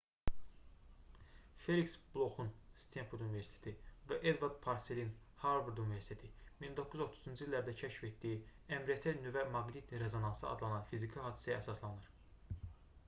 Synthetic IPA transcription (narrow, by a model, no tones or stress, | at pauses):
fe̞liksblˠo̞xunst̪ʰenfud̪univeɾsit̪ʰe̥t̪ʰivæʔed̪vɑɾd̪pʰɑɾselin | hɑɾvuɾd̪univeɾsi̥t̪et̪ʰimind̪okʰːuzo̞t̪ʰuzund͡ʒilːæɾd̪æcʰæʃfet̪d̪ijiæmɾiet̪ʰenyvæmɑɡlit̪ɾe̞zonɑnsɯɑ̰d̪lˠɑnɑnfizikʰiɦɑːd̪isæjææsɑslˠɑnɯɾ̥